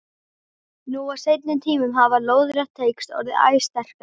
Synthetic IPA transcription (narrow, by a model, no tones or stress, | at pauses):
nuːawsejt̪nʏmt̪ʰiːmʏmɦavaloːwðɾɛht̪ʰːeːjkst̪ɔ̰ːɾɪa̰ːjst̪ɛr̥ka